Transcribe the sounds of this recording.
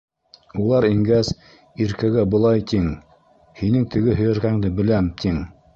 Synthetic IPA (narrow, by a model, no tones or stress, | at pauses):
ulˠɑɾiŋɡæz | iɾkæɡæbŏlˠɑjt̪iŋ | hinɘŋt̪ʰɘ̆ɡɘɦɵ̆jæ̆ɾkæŋd̪ɘbɘ̆læmt̪ʰiŋ